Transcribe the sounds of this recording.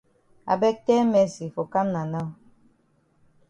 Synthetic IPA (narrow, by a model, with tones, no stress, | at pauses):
a̰˨bɛ˦k̚tɛ˦mɛ˨˦si˨fo˨ka˦mna˨na˦